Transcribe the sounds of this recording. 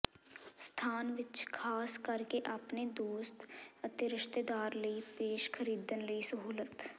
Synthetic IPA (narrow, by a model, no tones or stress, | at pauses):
st̪ʰaːnʋɪt͡ʃkʰaːskəɾkeʔapned̪oːst̪ət̪ɪɾɪʃt̪ed̪aːɾləipeːʃkʰəɾiːd̪ənləisəɦuːlət̪